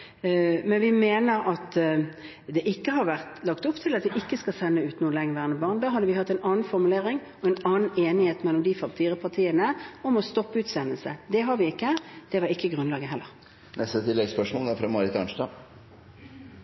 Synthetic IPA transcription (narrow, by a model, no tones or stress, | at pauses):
mɛnʋɪmeːnəɾɑt̪ | d̪ɛʔɪkːəɦɑɾʋæʁt̪lɑkt̪ʊpːt̪ʰɪlɑt̪ʋɛʔɪkːəskɑsɛnːəʉːt̪nuːəlɛŋəʋæːʁənəbɑːʁnd̪ɑɦɑd̪əʋɪhɑt̪ːɛɪnɑːn̩fɔɾmʉleːʁɪŋ | ɔɛnɑːn̩eːnɪheːt̪mɛlːɔmd̪ifɑpt̪ʰiːʁəpʰɑʁt̪ʰiːənəɔmɔst̪ɔpːəʉːt̪sɛnːəlsəd̪ɛɦɑɾʋɪɪkːəd̪̥ɛʋɑɾɪkːəɡʁʉnlɑːɡəɦɛlːəʁ | nɛst̪ət̪ʰɪlːɛɡspœʂmɔːlɑfɾɑmɑɾɪt̪ɑɳʂdɑː